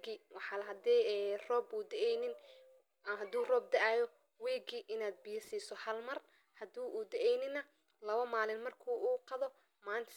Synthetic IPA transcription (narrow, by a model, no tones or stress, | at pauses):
ɡiwɑħɑːlɐɦɐd̪ɛːrɔːbuːd̪ɛʔɛjnɪn | ɐɦɐd̪uːrɔːb̚d̪ɛʔaːjɔ | wɛːɡiːʔɪnaːd̪̚bɪjɐsiːsɔhɐlmɐr | hɐd̪uːʔuːd̪ɛʔɛjnɪnɐ | lɐβɐmaːlɪnmɐrkʰuːʔuːqɑðɔ | maːnt̪ʰ